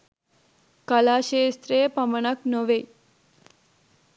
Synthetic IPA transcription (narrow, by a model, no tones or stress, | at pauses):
kəlaʃeːst̪ɾepəməɳəknoʋe